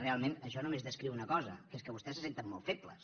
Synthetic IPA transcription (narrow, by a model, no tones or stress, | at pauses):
realˠmenəʃɔnumezðəskɾiwunəkɔzə̰keskəβust̪ɛsəsent̪əmːɔlˠt̪feplə̰s